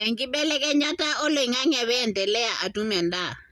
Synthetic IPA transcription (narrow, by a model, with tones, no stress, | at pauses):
ɛ˨ŋki˦ɓɛ˦lɛ˦kɛ˦ɲa˦ta˦ʔɔ˦le˨i˨ŋa˦ŋɛ˨βɛ˦ɛ˨ntɛ˨lɛ˦ja˨ʔa˨tu˦mɛ˨nda˦˨